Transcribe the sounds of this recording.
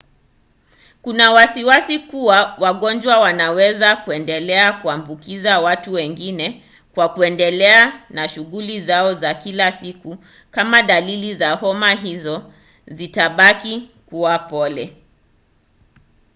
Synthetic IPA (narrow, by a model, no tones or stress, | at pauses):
kunawasiwasikuwawaɠɔnd͡ʒwawanawɛzakuɛndɛlɛakuambukizawatuwɛŋɡinɛ | kwakuɛndɛlɛanaʃuɣulizaɔzakilasiku | kamaɗalilizahɔmaɦizɔ | zitaɓakikuwapɔlɛ